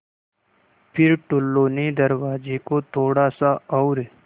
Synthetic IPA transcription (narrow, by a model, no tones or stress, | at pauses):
pʰɪɾʈʊlːoːned̪əɾwaːd͡ʒekot̪ʰoːɽasaɔʊɾe